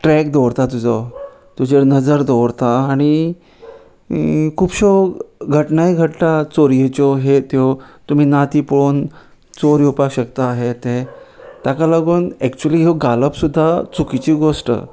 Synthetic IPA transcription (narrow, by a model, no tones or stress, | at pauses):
ʈɾɛk̚d̪ɔwɽt̪at̪ud͡zɔ | t̪ud͡ʑeɾnəd͡zəɾd̪ɔʋɾt̪aːɽ̃i | kʰuːpɕɔɡʱəʈnaiɡʱəʈt̪at͡soɾijet͡ɕɔɦet̪jɔt̪um̤iːnat̪iːpɭon | t͡soɾiupakɕəkt̪aːɦet̪ẽt̪jakalaɡuːnɛkt͡ɕuəliːɦeɡaləpsud̪ʱːat͡sukit͡ɕiːɡosʈə̰